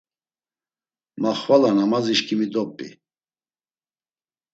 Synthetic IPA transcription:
maχvalanamaziʃkʰʼimid̪ɔpʼːḭ

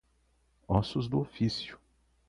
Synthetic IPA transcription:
ɔsʊzd̪ʊofisjʊ̥

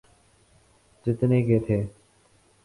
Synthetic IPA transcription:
t͡ʃɪt̪neːkeːt̪ʰeː

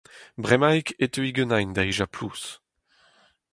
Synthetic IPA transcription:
bʁɛmajket̪øiɡənajnd̪aiʒaplus

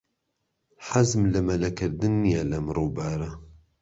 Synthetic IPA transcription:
ħazmlɐmɐlɐkʰɨɾd̪ɨnːijalɐmɾoːbaːɾɐ

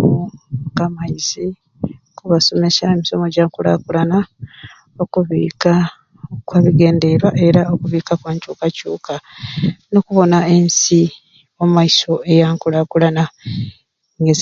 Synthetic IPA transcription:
kamaizi | kuβaso̞me̞saemiso̞mo̞ɟaːŋkula̰kulana | o̞kuβḭːka | kwaːβiɡe̞ːnde̞βaʔe̞ɾaokuβiːkakwaːɲcuːkacuːkʰa | nokuβo̞nae̞nsi | ommaiso̞e̞jaːŋkulakulana | ŋɡez

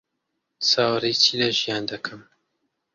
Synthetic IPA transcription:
saːwɾit͡ʃiːlɐʒijaːnd̪ɐkʰɐm

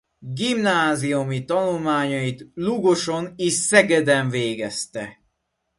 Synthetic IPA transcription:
ɡimnaːziumit̪ɒnulmaːɲɒjit̪luɡoʃo̞niʃsɛɡɛd̪ɛɱveːɡɛst̪ɛ

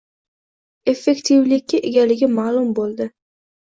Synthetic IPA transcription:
e̞fːe̞kʲt̪ʰivlɪkʲːɪʔeɡʲalɪɡʲɪmaːlˠʊmbolˠd̪ɪ

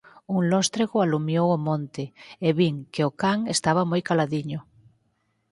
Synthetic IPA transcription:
uŋlɔst̪ɾeɣoalumjowomõnt̪eeβiŋkeokaŋest̪aβ̞amojkalaðiɲo

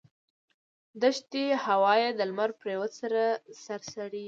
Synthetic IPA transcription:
d̪əʃt̪ehawɑjed̪əlmaɾpɾewəsaɾasaɾsaɽi

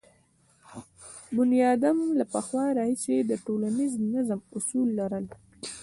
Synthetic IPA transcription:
bʊnijɑd̪amlapəxwɑɾɑhised̪əʈolaniznazmʊsulːaɾəl

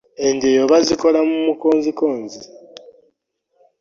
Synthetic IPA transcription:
e̞ndejoβaziko̞lamumuko̞ːnzikoːnzi

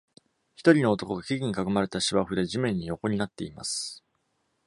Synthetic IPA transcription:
çi̥t̪o̞ɾʲino̞ːt̪o̞koɡakʲiɡʲiɲ̟ikakɯmaɾe̞t̪aɕiβaɸɯ̟d̪e̞ʑimẽ̞ɲ̟ːijo̞ko̞ɲ̟inat̪ːe̞ima̰sɨ̥

